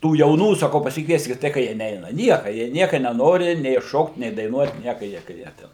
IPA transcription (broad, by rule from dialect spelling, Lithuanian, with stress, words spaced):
ˈtuː jɛʊˈnuː sɐˈkɐʊ pɐsʲɪkˈʋʲiɛsʲkʲɪt ˈtɐɪ kɐ ˈjiɛ ˈnʲɛɪnɐ ˈnʲiɛkɐ jiɛ ˈnʲiɛkɐ nʲɛˈnoːrʲɪ nʲɛɪ ˈʃoːkt nʲɛɪ dɐɪˈnuɔt ˈnʲiɛkɐ ˈjiɛ kɐ ˈjiɛ ˈtʲɛn